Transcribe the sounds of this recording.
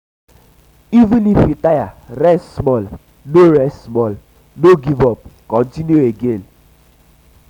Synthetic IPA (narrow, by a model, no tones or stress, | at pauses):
ivĩnifitajaɾɛsmɔl | noɾɛsmɔl | noɡivɔp̚kɔ̃ntinjueɡẽn